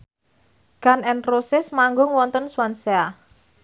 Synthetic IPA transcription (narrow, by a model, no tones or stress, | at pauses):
ɡ̥anɛnrosɪsmaŋɡʊŋwɔnt̪ənswansea